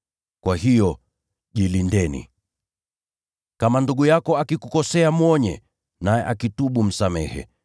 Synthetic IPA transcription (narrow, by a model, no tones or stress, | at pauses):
kwaɦijɔ | ʄilindɛnḭ | kamanduɠujakɔakikukɔsɛamwɔɲɛ̰ | najɛʔakituɓum̩samɛhɛ̰